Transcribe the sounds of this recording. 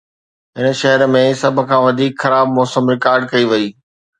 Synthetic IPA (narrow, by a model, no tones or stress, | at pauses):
ɦɪnə̆ʃɐɦəɾmẽsɐbʱə̆kʰãːʋɐd̪ʱiːkxɐɾaːb̚mɔːsəmɾɪkaːɾɖ̚kɐiʋɐiː